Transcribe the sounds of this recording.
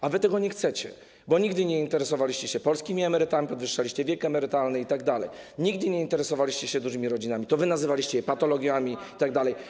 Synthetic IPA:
avɘt̪ɛɡɔɲɛxt̪sɛt͡ɕɛ̰ | bɔɲiɡd̪ɘɲɛint̪ɛɾɛsɔvalʲiɕt͡ɕɛɕɛpɔlskʲimʲiɛmɛɾɘt̪amʲipɔd̪vɘʂːalʲiɕt͡ɕɛvʲjɛkɛmɛɾɘt̪alnɘit̪aɡd̪alɛ̰j | ɲiɡd̪ɘɲɛint̪ɛɾɛsɔvalʲiɕt͡ɕɛɕɛd̪uʐɘmʲiɾɔd͡ʑinamʲit̪ɔvɘnazɘvalʲiɕt͡ɕɛjɛpat̪ɔlɔɡʲjamʲiit̪aɡ̚d̪alɛj

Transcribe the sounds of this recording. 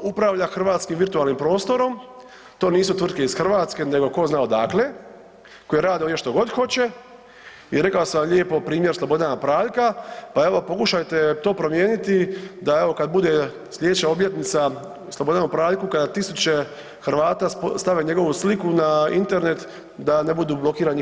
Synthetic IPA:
upɾaʋʎaxr̩ʋaːt̪skimʋiɾt̪uaːlnimpɾo̞ːst̪o̞ɾo̞m | t̪o̞ːniːsut̪ʋrd̪ke̞izxr̩ʋaːt̪ske̞ne̞ɡo̞ko̞znaod̪akle̞ | kojeɾaːd̪iojeʃt̪o̞ɡo̞d̪xo̞t͡ɕe̞ | iɾe̞kaosamʎeːpopɾiːmjeɾslˠobo̞d̪anapɾaːʎkapae̞ʋo̞po̞kuʃajt̪e̞t̪o̞ːpɾo̞mjeːnit̪id̪aeʋo̞kad̪̚bud̪e̞ | slʎed̪et͡ɕaobje̞t̪nit̪sa | slˠobo̞d̪anupɾaːʎʲkukad̪at̪isut͡ɕe̞ | xr̩ʋaːt̪aːst̪aʋe̞ɲe̞ɡo̞ʋuslikunaḭnt̪e̞ɾne̞t̪ | d̪ane̞bud̪uːblˠo̞kiːɾani

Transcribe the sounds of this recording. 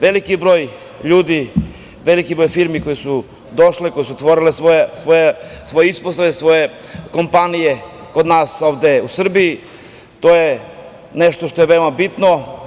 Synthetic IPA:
ʋelikibɾo̞ːj | ʎuːd̪i | ʋelikibɾo̞jfiɾmiko̞jesu | d̪oʃleko̞jesuot̪ʋoɾilesʋoesʋojesʋo̞jeisposaʋesʋo̞jeko̞mpanijekod̪naːso̞ːʋd̪e̞usr̩biji | t̪oːje | neʃt̪oʃt̪o̞jeʋeomabit̪no

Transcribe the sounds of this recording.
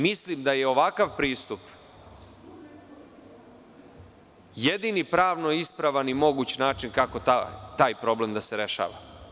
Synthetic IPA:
mislimd̪aje̞o̞ʋakaʋpɾiːst̪up | jed̪inipɾaːʋnoispɾaʋanimo̞ɡuːt͡ɕnaːt͡ʃinkako̞t̪at̪aːjpɾo̞ble̞md̪aseɾe̞ʃa̰ːʋa̰

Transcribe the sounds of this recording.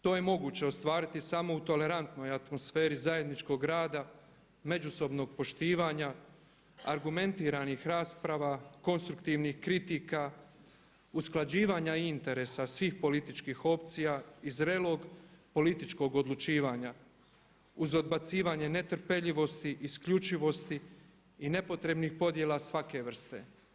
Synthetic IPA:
t̪o̞ːje̞mo̞ɡuːt͡ɕe̞ost̪ʋaːɾit̪isamo̞ut̪o̞le̞ɾant̪no̞jat̪mo̞sfeːɾizaje̞d̪nit͡ʃko̞ɡɾaːd̪a | me̞d͡ʒuso̞bno̞ɡ̚po̞ʃt̪iːʋaːɲa | a̰ɾɡume̞nt̪iːɾanixɾaːspɾaʋako̞nst̪ɾukt̪iʋnixkɾit̪iːka | usklˠad͡ʑiːʋaːɲaiint̪e̞ɾe̞ːsasʋiːxpo̞lit̪it͡ʃkiːxo̞pt̪sijaːizɾelo̞ːɡpo̞lit̪it͡ʃko̞ɡo̞d̪lˠut͡ʃiːʋaːɲa | uzo̞d̪̚bat̪siːʋaːɲe̞ne̞t̪r̩pe̞ʎiʋo̞st̪iʔiskʎut͡ʃiʋo̞st̪iː | ne̞po̞t̪ɾe̞bnixpo̞d̪je̞lˠasʋake̞ʋr̩st̪e̞̰

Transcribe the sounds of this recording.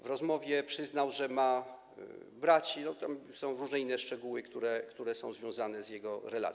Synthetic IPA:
vɾɔzmɔvʲjɛpʂɘznawʐɛma | bɾat͡ɕinɔt̪amsɔ̃w̃ɾuʐnɛinːɛʂt͡ʂɛɡuwɘkt̪uɾɛkt̪uɾɛsɔ̰̃w̃zvʲjɔ̃w̃zanɛzjɛɡɔɾɛla̰

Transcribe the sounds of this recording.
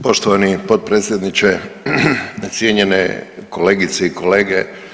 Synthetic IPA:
po̞ʃt̪oʋanipo̞d̪̚pɾeːt̪sʲjed̪nit͡ʃe | t̪sʲjeɲenḛkole̞ːɡit̪seiko̞le̞ːɡe

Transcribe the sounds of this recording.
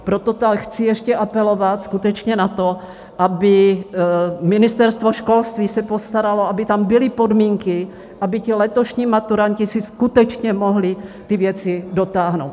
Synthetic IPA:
pɾot̪ot̪axt͡sɪjɛʃcɛʔapɛlo̞vat̪skut̪ɛt͡ʃɲɛnat̪o | ʔabɪ | mɪnɪst̪ɛɾst̪voʃko̞lst̪viːsɛpo̞st̪aɾalo̞ʔabɪt̪ambɪlɪpo̞dmiːŋkɪ | ʔabɪcɪlɛt̪oʃɲiːmat̪uɾancɪsɪskut̪ɛt͡ʃɲɛmo̞ɦlɪt̪ɪvjɛt͡sɪdo̞t̪aːɦnowt̪

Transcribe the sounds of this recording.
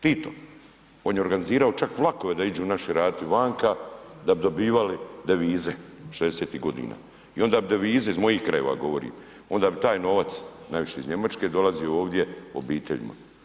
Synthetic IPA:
t̪it̪o | oːnjeoɾɡaniziːɾao̞t͡ʃakʋlˠako̞ʋe̞d̪aid͡ʒuːnaʃiɾaːt̪iʋaːŋkad̪abid̪o̞biːʋalid̪eʋiːzeʃezd̪eseːt̪iːɡo̞d̪ḭːna̰ː | io̞nd̪aːbid̪eʋiːzeizmo̞jiːxkɾaje̞ʋa̰ːɡo̞ʋo̞ɾḭːm | o̞nd̪aːbit̪aːjno̞ʋat̪snajʋiʃeizɲe̞mat͡ʃke̞d̪o̞lazijooːʋd̪je̞o̰biːt̪ḛʎḭma̰

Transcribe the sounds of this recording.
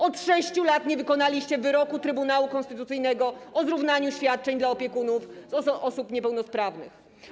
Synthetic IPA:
ɔt̪ʂɛɕt͡ɕulat̪ɲɛvɘkɔnalʲiɕt͡ɕɛvɘɾɔkut̪ɾɘbunawukɔnst̪ɘt̪ut̪sɘjnɛɡɔɔzɾuvnaɲuɕfʲjat̪̚t͡ʂɛɲd̪laɔpʲjɛkunufzɔɔsupɲɛpɛwnɔspɾavnɘ̰x

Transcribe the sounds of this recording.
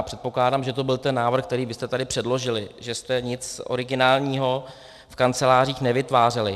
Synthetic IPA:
apr̝̥ɛt̪̚po̞klaːdaːmʒɛt̪o̞bɪlt̪ɛnːaːvr̩xkt̪ɛɾiːvɪst̪ɛt̪adɪpr̝̥ɛdlo̞ʒɪlɪʒɛst̪ɛɲɪt͡sʔo̞̰ɾɪɡɪnaːlɲiːɦo̞ | fkant͡sɛlaːr̝iːxnɛvɪt̪vaːr̝ɛlɪ

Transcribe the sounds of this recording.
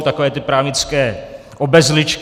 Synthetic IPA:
t̪ako̞vɛːt̪ɪpɾaːvɲɪt͡skɛː | ʔobɛzlɪt͡ʃk

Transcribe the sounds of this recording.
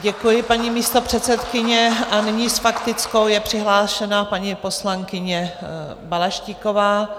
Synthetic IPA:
ɟɛkujɪpaɲimiːst̪o̞pr̝̥ɛt̪sɛt̪kɪɲɛʔanɪɲisfakt̪ɪt͡sko̞wjɛpr̝̥ɪɦlaːʃɛnapaɲipo̞slaŋkɪɲɛ | balaʃciko̞vaː

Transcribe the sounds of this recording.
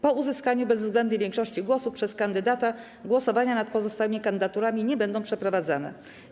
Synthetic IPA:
pɔuzɘskaɲubɛzvzɡlɛnd̪ɲɘvʲjɛŋkʂɔɕt͡ɕiɡwɔsupʂɛskand̪ɘd̪at̪a | ɡwɔsɔvaɲanat̪̚pɔzɔst̪awɘmʲikand̪ɘ̆d̪at̪uɾamʲiɲɛbɛnd̪ɔ̃w̃pʂɛpɾɔvad̪za̰nɛ̰

